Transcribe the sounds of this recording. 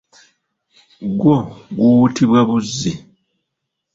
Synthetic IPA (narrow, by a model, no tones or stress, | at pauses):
ɡwoɡutiβwaβuzːi